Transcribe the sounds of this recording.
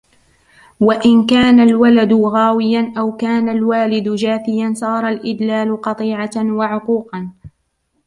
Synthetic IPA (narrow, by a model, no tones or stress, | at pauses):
waʔɪnkaːnalwalad̪ʊɣaːwɪjanʔawkaːnalwaːlɪd̪ʊd͡ʒaːfɪjansˤɑːɾˤɑlʔɪd̪laːlʊqɑt̪ˤiːʕawaʕʊquːqɑn